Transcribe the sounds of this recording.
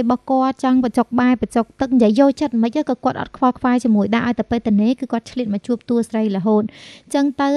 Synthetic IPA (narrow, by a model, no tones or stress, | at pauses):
jɓɑhkŏət̪̚t͡ɕɑŋpət͡ɕok̚ɓaɛpət͡ɕok̚t̪ɨk̚njəəjːoːlt͡ɕət̪̚məc̚ʔəkɑkŏət̪ʔɑ̰t̪̚kʰʋɑlkʰʋaɛt͡ɕiəmuəjɗaːʔaɔt̪ɨpeːt̪ɨəneːkɨːkŏət̪̚t͡ɕʰliət̪̚mɑt͡ɕuəp̚t̪uəsrəjlə̆ɦoːt̪̚t͡ɕəŋt̪ɨw